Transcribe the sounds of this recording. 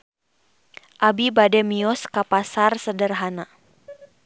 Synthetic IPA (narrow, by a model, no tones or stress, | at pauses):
ʔabibadɛmiɔskapasarsədərɦana